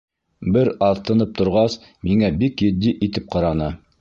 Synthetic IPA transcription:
bɘɾɑðt̪ɤ̆nɤp̚t̪ŏɾʁɑs | miŋæbikjɘ̆d̪ːiʔit̪ɘp̚qɑɾɑnɤ

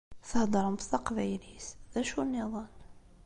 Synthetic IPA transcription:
θəhd̪ˤɑɾˤəmbθɑqvæjlisðæʃunːiðˤɑn

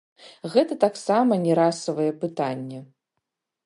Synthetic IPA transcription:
ɣɛt̪ɐt̪aksamɐnʲɛɾasɐvɐjɛpɨt̪anʲːɛ

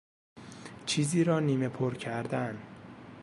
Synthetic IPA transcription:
t͡ʃʰiːziːɾɒːniːme̞pʰoɾcʰæɾd̪æn

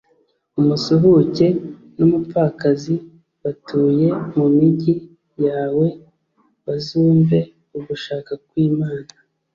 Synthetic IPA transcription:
umusuɦuce̞ | numupakazi | βatuːje̞mumiɟi | jaːwe̞ | βazuːɱve̞ | uɡuʃaːkakwiːmaːna

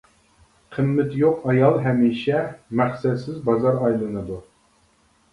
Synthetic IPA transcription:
qʰəmːɪt̪joqɑjɑlˠɦɛmiːʃɛmæχsɛd̪sɪzbɑzɑɾɑjlˠɨnɨd̪u

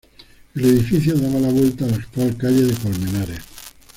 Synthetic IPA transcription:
eleðifiθjoðaβalaβwe̞lt̪aːlest̪walkaʎeðekolmẽnaɾe

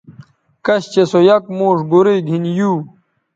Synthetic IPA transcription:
kɐɕt͡ɕesojɐkmoːʂɡuɾeɡʱinjuː

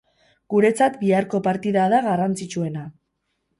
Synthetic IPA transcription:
ɡ̥uɾe̞t͡sat̪biaɾko̞paɾt̪iðaðaɣarant͡sit͡ʃue̞na

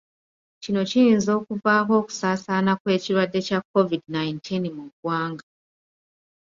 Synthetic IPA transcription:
cino̞cijinzo̞ːkuvaːko̞ːku̥saːsanakwe̞ːciɾwadːe̞cakːo̞vidnajintʰinmuɡwaːŋɡa

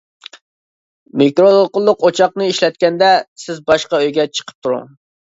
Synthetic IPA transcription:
mekɾolˠolˠqʊlˠːʊqot͡ʃʰɑq̚nɨiʃlɛt̪̚kʲɛnd̪ɛsɪzbɑʃqɑøjɡʲɛt͡ʃʰə̥qʰə̥p̚t̪ʰuɾṵ

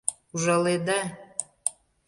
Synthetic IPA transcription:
uʒɑled̪a

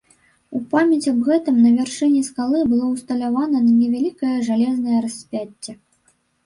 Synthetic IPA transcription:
upamʲjɐt͡sʲɐbɣɛt̪ɨmnɐvʲɛrʂɨnʲɛskalˠɨbɨlˠɔwst̪ɐlʲavanɐnɐnʲɛvʲalʲikɐjɐʐalʲɛznɐjɐɾɐsʲpʲat͡sʲːɛ

